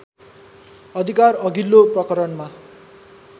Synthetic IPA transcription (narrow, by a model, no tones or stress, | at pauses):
ʌd̪ʱikarʌɡilːoprʌkʌɾʌnma